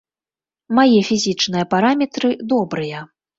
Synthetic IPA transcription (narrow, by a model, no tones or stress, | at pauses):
majɛfʲizʲit͡ʂnɨjɐpaɾamʲɛt̪ɾɨd̪ɔbɾɨjɐ